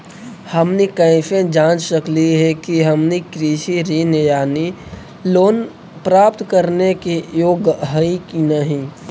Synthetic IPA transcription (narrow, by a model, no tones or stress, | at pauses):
həmnikəɪ̃fẽd͡ʒãːt͡ʃsəkliɦɛkiɦəmnikɾiːʃiɾinejaːni | loːn | pɾaːpt̪kəɾnekijoːɡɦəikinəɦĩ